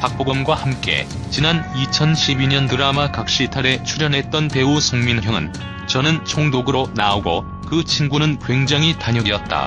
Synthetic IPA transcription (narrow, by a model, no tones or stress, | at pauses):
pak̚p͈oɡʌmɡwahamk͈e̞̰t͡ɕinanit͡ɕʰʌnɕʰibiɲʌntɯɾamakak̚ɕ͈itʰaɾe̞t͡ɕʰuɾjʌnɦe̞t̚t͈ʌnpe̞usʰoŋminɾjʌŋɯ̰n | t͡ɕʌnɯnt͡ɕʰoŋdoɡɯɾonaoɡo̰ | kɯt͡ɕʰinɡunɯnkwe̞ŋd͡ʑaŋitaɲʌɡiʌt̚t͈a̰